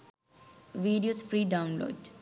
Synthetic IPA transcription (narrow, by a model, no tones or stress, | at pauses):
ʋiːɖijoːsfɾiːɖaʊnlo̰ːɖ